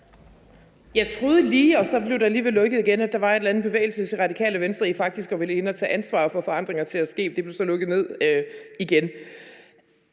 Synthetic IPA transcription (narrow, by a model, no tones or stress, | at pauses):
jɑ̈ɪt͡sʰʁo̝ːð̞ˠəliːɒ̽sɒ̽b̥le̝ʊɾ̥ɑ̈æliːʋelːɔ̽ɡ̥ð̩ˠiɡ̥enæd̥ɑ̈ʋɑ̈e̝d̥læn̩ˠb̥e̝ʋḛɪl̩sət͡sʰe̝ʁɑ̈d̥ikʰɛ̰ːləʋensd̥ʁɐifɑ̈ɡ̥̚d̥isɡ̥ɒ̽ʋe̝ləe̝nɒt͡sʰɛ̰ːʔænsʋɑ̰̈ːfɒ̽fɒ̽ɑ̈n̰d̥ʁeŋɐt͡sʰe̝æsɡ̥e̝̰̥ːd̥e̝b̥le̝ʊsɒ̽lɔ̽ɡ̥ð̩ˠne̝ð̞̰ˠiɡ̥en